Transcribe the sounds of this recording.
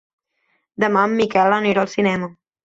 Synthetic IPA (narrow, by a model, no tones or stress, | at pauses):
d̪əmamːikɛlaniɾolˠsinɛmə